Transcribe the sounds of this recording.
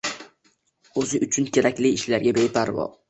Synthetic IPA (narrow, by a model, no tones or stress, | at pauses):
ɵzɪʔʊt͡ʃʰʊnkʲʰe̞ɾakʲlɪːʃlaɾɡʲabejpʰaɾvɒ̰